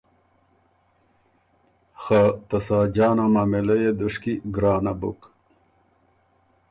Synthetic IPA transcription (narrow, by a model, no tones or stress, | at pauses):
xat̪ɐsaːd͡ʑaːnamamelɐjed̪uʂkiɡɾaːnabṵk